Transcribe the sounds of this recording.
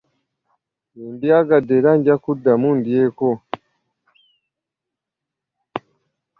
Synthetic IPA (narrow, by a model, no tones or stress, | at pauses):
jundiaɡadeɾaɲɟakudamundieko